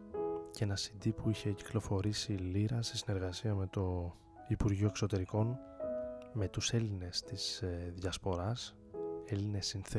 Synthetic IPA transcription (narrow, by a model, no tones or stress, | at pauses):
ce̞nɐsind̪ipuiçe̞ci̥klo̞fo̞ɾisiliɾɐsesine̞ɾɣɐsiɐme̞t̪o̞ | ipuɾʝioekso̞t̪e̞ɾiko̞n | me̞t̪use̞line̞st̪izðʝɐspo̞ɾɐs | e̞line̞sːinθe